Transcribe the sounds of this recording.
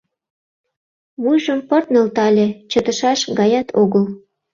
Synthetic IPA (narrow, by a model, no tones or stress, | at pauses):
βujʒəmpɤrt̪nə̆lt̪ɑlʲet͡ɕə̆t̪ə̆ʃɑʃɡɑjɑt̪ʰoɣəl